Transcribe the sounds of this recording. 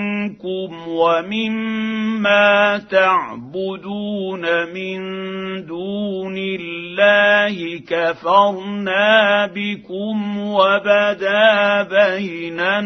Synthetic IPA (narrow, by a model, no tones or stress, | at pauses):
nkʊmwamɪmː | aːt̪aʕbʊd̪uːnamɪnd̪uːnɪlːaːhɪkafɑɾˤnaːbɪkʊmwabad̪aːbajna